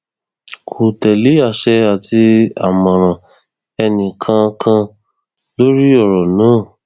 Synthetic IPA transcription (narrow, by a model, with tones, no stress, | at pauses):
kʰo˨tɛ˨le˨˦a˦˨ʃɛ˧a˨ti˧a˨mɔ̃˨ɾ̃ã˨ | ɛ˧nĩ˨kʰã˧kʰã˧ | lo˦ɾi˦ɔ˦˨ɾɔ˨nãː˨˦˨